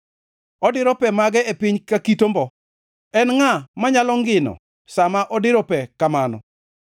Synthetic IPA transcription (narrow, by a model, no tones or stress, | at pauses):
ɔdɪɾɔpɛmaɡɛepiɲkakitombɔ | ɛnŋamaɲalɔŋɡɪnɔ̰ | samaʔɔdɪɾɔpɛkamanɔ̰